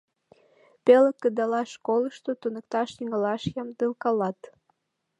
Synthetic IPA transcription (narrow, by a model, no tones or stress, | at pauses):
peləkːəd̪ɑlɑʃkoləʃt̪ot̪unək̚t̪ɑʃjiŋəlɑʃjɑmd̪əlkɑlɑt̪